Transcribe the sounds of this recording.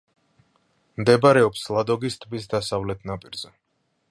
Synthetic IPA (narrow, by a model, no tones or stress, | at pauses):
md̪ɛbaɾɛɔpslˠad̪ɔɡist̪ʼbis̬d̪asavlɛt̪ʰnapʼiɾz̥ɛ